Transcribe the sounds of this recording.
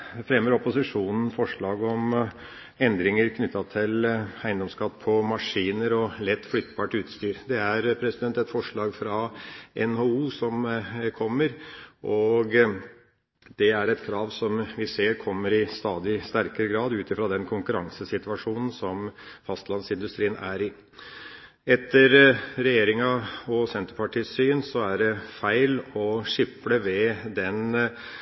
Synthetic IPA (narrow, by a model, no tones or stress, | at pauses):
fɾɛmːəɾɔpʊsɪʂuːnən̩fɔʂɭɑːɡɔm | ɛnd̪ɾɪŋəɾkʰnʏt̪ːɑt̪ʰɪlæɪnd̪ɔmskɑt̪ːpʰɔmɑʂiːnəɾɔlɛt̪ːflʏt̪ːbɑːʈʉːt̪st̪yːɾd̪ɛæɾpʰɾɛsɪd̪ɛnt̪ɛt̪fɔʂɭɑːɡfɾɑʔɛnhouːsɔmkʰɔmːəɾʔɔɡ | d̪̥ɛæɾɛt̪kʰɾɑːʋsɔmʋɪseːɾkʰɔmːəɾɪst̪ɑːd̪ɪst̪æɾkəɾəɡɾɑːd̪ʉːt̪ɪfɾɑd̪ɛnkʰʊŋkʉɾɑŋsəsɪt̪ʉɑʂuːnən̩sɔmfɑst̪lɑnsɪnd̪ʉst̪ɾiːənæɾɪ | ɛt̪ʰːəɾɾɛjeːɾɪŋɑɔsɛnt̪əɾpʰɑʈʰiːsyːənsɔæɖɛfæɪlɔʂɪpləʋɛd̪ɛn